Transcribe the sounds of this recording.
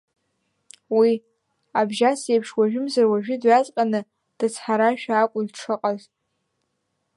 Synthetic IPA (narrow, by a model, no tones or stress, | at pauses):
wi | abʒasejpʰʂwaʒᶣɪmzarwaʒᶣɪdɥat͡sʼqʲʼanɨ | d̥ɨt͡sʰħaɾaʃᶣaːkʷʼʊlʈ͡ʂʰɨqʼazʼ